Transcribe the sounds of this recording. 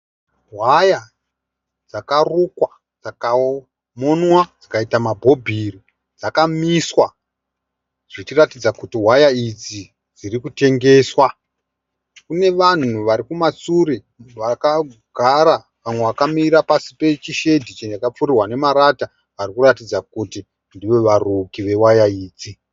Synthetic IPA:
ɦwaja | d͡zakarukwa | d͡zaka | monwad͡zakaitamabʱo̞bʱiri | d͡zakamiswa | ʐit͡ʃiratid͡zakutiɦwajaid͡zi | d͡zirikute̞ŋɡe̞ːswa | kune̞ʋan̤uʋaɾikumat͡suɾe | ʋakaɡ̥ʱaɾa | ʋamwe̞ʋakamiɾapasi̥pe̞t͡ʃiʃe̞dʱit͡ʃejakap͡furirwane̞maɾata | ʋarikuratid͡zakuti | ndiʋe̞ʋarukiʋe̞wajaiːd͡zi

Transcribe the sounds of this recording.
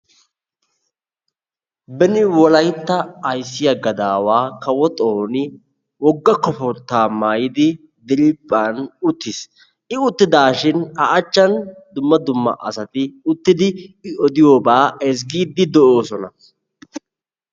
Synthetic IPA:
bɛnɪwɔlɐjt̪ːɐːjsːɪjɐɡɐd̪aːwaːkɐwɔt̪ʼoːnɪ | wɔɡːɐkːɔfɔɾt̪ːaːmaːjɪd̪ɪ | d̪ɪɾɪpʼːaːnʊt̪ːɪs | ɪʊt̪ːɪd̪aːʃɪnɐʔɐt͡ʃːɐnd̪ʊmːɐd̪ʊmːɐ̰ʔɐsɐt̪ɪʊt̪ːɪd̪ɪɪɔd̪ɪjoːbaːɛs̬ɡiːd̪ːɪd̪ɔoːsɔnɐ

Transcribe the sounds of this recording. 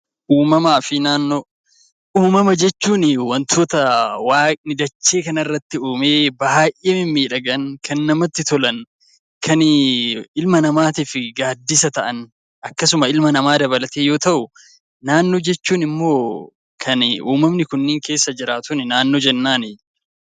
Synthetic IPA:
ʔuːmɐmaːfɪnaːnːoː | ʔuːmɐmɐd͡ʒɛt͡ʃːuːnɪwɐnt̪ʰo̞ːt̪ɐwaːknɪd̪ɐt͡ʃːe̞ːkɐnɐɪrːɐt̪ːɪuːmeːbɐaːʔʔeːmɪmːiːᶑɐɡɐnkʰɐnːɐmɐt̪ːɪt̪ɔlɐn | kʰɐn | ɪlmɐnɐmaːt̪iːfɪɡaːd̪ːɪsɐt̪ɐʔɐn | ʔɐkːɐsʊmɐɪlmɐnɐmaːd̪ɐβɐlɐt̪eːjo̞ːt̪ɐʔʊː | aːnːo̞ːd͡ʒɛt͡ʃːuːnɪmːo̞ː | kʰɐnṵːmɐmnɪkʊnːɪŋke̞ːsːɐd͡ʒɪɾaːt̪ʊnɪnaːnːoːd͡ʒɛnːaːnɪ

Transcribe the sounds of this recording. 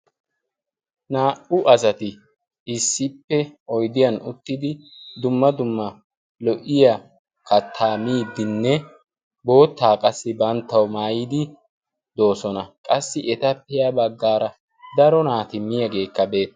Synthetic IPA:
naːʔʊʔɐsɐt̪ɪ | ɪsːɪpːɛɔjd̪ɪjɐnʊt̪ːɪd̪ɪd̪ʊmːɐd̪ʊmːɐ | lɔʔɪjɐ | kɐt̪ʰːaːmiːd̪ɪnːɛ | bo̞ːt̪ːaːkʼɐsːɪbɐnt̪ːɐwmaːjid̪ɪ | d̪o̞ːsɔnɐkʼɐsːɪʔɛt̪ɐpːɛjabɐɡːaːɾɐ | d̪ɐɾɔnaːt̪ɪmːɪjɐɡe̞ːkːɐbe̞ːt̪ːɐ

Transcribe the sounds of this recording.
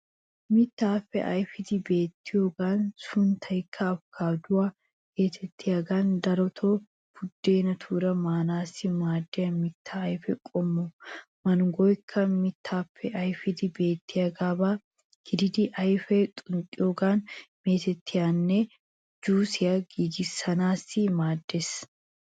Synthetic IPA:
mɪt̪ːaːfːɛ̰ʔɐjfɪd̪ɪbe̞ːt̪ʰːɪjoːɡaːnsʊnt̪ʰɐjkʰːɐːfkʰaːd̪ʊwaː | ɡe̞ːt̪ʰɛt̪ʰːɪjaːɡaːnd̪ɐɾɔt̪ʰo | b̥ʊd̪ːe̞ːnɐt̪ʰuːɾɐmaːnaːsɪmaːd̪ːɛjɐmɪt̪ʰːɐːjfɛkʼɔmːɔ | mɐnɡɔjkʰːɐmɪt̪ʰːaːpʰːɛʔɐjfɪd̪ɪbe̞ːt̪ːɪɐɡaːbaː | ɡ̥ɪd̪ɪd̪ɪʔɐjfɛt̪ʼʊŋkʼɪjoɡaːnme̞ːt̪ɛt̪ʰːɪjanːe | d͡ʒuːsɪjɐɡiːɡɪsɐnaːsɪmaːd̪ːes

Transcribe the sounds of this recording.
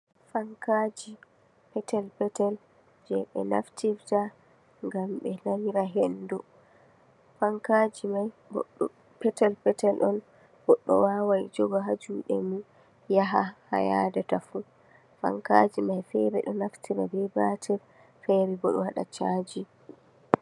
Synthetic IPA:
faŋkad͡ʒi | pɛtɛlpɛtɛl | d͡ʒɛɓɛ̰na̰ftifta | ŋɡamɓɛnamiɾaɦɛndɔ | faŋkad͡ʒimajbɔ | pɛtɛlpɛtɛlʔɔn | bɔɗːɔ̰wawajd͡ʒɔɡɔɦad͡ʒuɗɛ̰mu | jaɦaha̰ja̰datafu | fa̰ŋka̰d͡ʒimajfɛ̰ɾɛɗɔnaftʰiɾabɛbatʰɛɾ | fɛɾɛbɔɗɔhaɗa̰t͡ʃad͡ʒi

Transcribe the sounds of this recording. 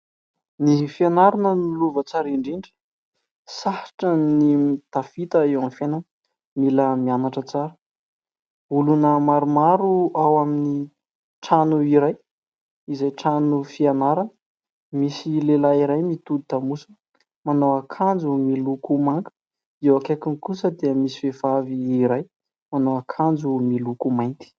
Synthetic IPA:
nifianaɾanənuluvət͡saɾiɳɖ͡ʐiɳɖ͡ʐə̥ | sahḁʈ͡ʂənimit̪afit̪əewamfenə | miləmianaʈ͡ʂət͡saɾə̥ | ulunəmaɾumaɾuawamini | ʈ͡ʂanuiɾaj | izajʈ͡ʂanufianaɾanə | misilelaiɾajmit̪ud̪̚t̪amusə̥ | manowakʰand͡zumilukumaŋkə̥ | ewakakinikusəd̪eəmisi̥fevaviːɾaj | manowakʰand͡zumilukumajnt̪i̥

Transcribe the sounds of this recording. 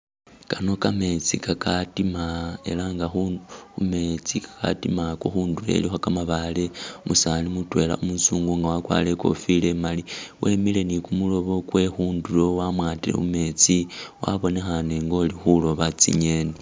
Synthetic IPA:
kano̞kame̞t͡sikakʰatimae̞̰laŋɡaxuume̞t͡sikḁka̰timakoxuːndule̞̰lixakamaβale̞musalimutwe̞ːla̰umusuːŋɡoŋɡawakwa̰le̞ko̞̰file̞maliwʔemile̞nikumulo̞βo̞kwe̞xuːndulo̞wamwaːtilḛume̞t͡siwa̰βo̞ne̞xaneŋɡo̞lixulo̞βat͡sḭɲene

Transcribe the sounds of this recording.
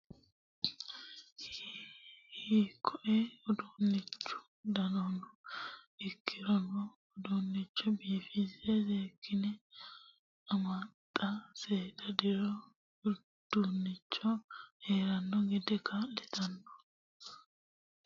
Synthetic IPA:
h | hikʰːɔʔɛɔd̪uːnːɪt͡ʃːʊ̥ | d̪ɐnɔnɔʔɪkʰːɪɾɔnɔː | d̪unːɪt͡ʃːɔbiːfizɛzeːkʰːɪnɛ | ɐmat̪ʼːɐseːt̪ɐd̪ɪɾɔ | d̪̥unːɪt͡ʃːɔheːɾɐnːɔɡɛd̪ɛkʰɐlɛt̪ɐnːɔ̥

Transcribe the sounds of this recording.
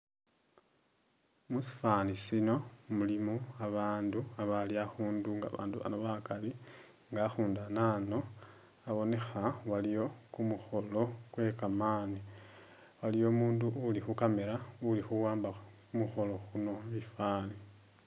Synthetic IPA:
musi̥fanisino̞mulimoaβaːnduaβaliaxuːnduŋɡa̰βa̰ːnduβa̰noβakali | ŋɡaxuːndanano̞ | aβo̞ne̞xawalijo̞kumuxo̞lo̞kwe̞kamaːni | walijo̞ːmuːnduʔulixukame̞ɾaulixuwaːmbakumuxo̞lo̞xuno̞βifaːni

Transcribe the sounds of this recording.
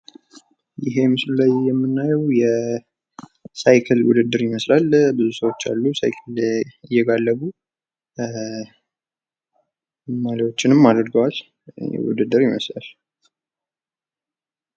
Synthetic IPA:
jɪɦe̞mɨslulajːɛmːɨnːajɛwjɛ | sajkʰɨlwʊ̰d̪ɨd̪ːɨɾjɪməslalbɨzusəwo̞t͡ʃːa̰lːusa̰jkʰəlɪjːɛɡalːəβu | maliwo̞t͡ʃːɪnɨmːad̪əɾɡəwal | jɛ̰wʊ̰d̪ɨd̪ːɨɾjɪməsla̰l

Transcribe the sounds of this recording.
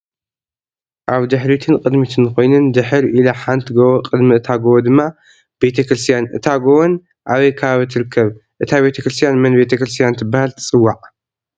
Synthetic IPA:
ʔaβd̪ɨħɾit̪ʰɨnkʼɨd̪mit̪ʰɨnko̞jnɨnd̪ɨħɨɾʔilɐħant̪ʰɨɡowqʼɨd̪miɨt̪ʰaɡowod̪ɨmːa | be̞t̪ʰɐkɾɨst̪ʰjanʔɨ̰t̪ʰaɡowon | ʔaβɐjkʰaaβɨt̪ʰɨɾɨkʰːɐβʔɨt̪ʰaβe̞t̪ʰɐkɾɨst̪ʰijanmɐnbe̞t̪ʰɐkɾɨst̪ʰijant̪ʰɨbahalt̪ʰɨ̥t͡sʼɨwːaʕ

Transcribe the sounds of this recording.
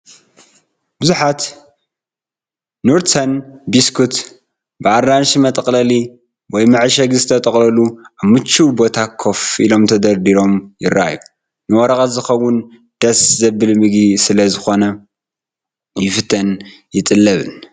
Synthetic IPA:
bɨzuħat̪ | nuɾt̪ɐnbiskʰut̪ | bɨarːanʃmɐt̪ʼɐkʼlɐli | wɔjmɨʕʃɐɡzɨt̪ʰɐt̪ʼɐχʼlɐluʔaβmɨt͡ʃːubo̞t̪ʰakʰːo̞fʔilo̞mt̪ʰɐd̪ɐɾd̪iɾo̞mjɪra̰ju | nɨwɐɾɐxʼɐzɨxɐwːʊn | d̪̥ɐszɐbɨlmɨɡisɨlɐzɨxo̞nɐ | jɪfɨt̪ʰɐn | jɪt̪ʼɨlːɐβɨn

